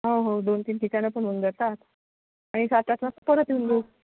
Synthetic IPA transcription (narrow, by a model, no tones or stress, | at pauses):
ɦoɦod̪ont̪iːnʈ̪ikanapəɳund̪əɾt̪at̪ | aɽ̃isat̪at͡snat̪ːəpəɾət̪jund̪u